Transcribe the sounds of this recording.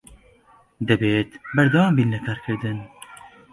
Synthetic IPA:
d̪ɨbeːt̪bɛɾd̪ɑwɑːmbiːnlɨkʰɑːɾkʰɨɾd̪ɨn

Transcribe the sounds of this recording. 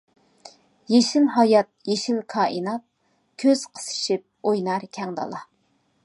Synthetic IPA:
jeʃilɦɑjɑt̪̚jeʃilkʰɑːʔinɑt̪̚ | kʲʰøz̥qʰə̥sɨ̥ʃip̚ojnɑɾkʲʰɛŋd̪ɑ̰lˠɑ

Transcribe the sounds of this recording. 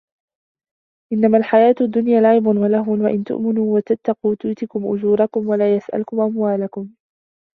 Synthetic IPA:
ʔɪnːamaːlħajaːt̪ʊd̪ːʊnjaːlaʕɪbʊnwalahʊnwaʔɪnt̪ʊ̰ʔmɪnuːwat̪at̪ːɑquːt̪ʊːt̪ɪkʊmʔʊd͡ʒuːɾˤɑkʊmwalaːjasʔa̰lkʊmʔamwaːlakʊm

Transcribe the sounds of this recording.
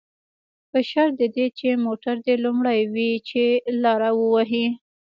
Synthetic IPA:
pəʃaɾd̪əd̪et͡ʃemoʈaɾd̪elumɽajwit͡ʃelɑɾawəwaɦi

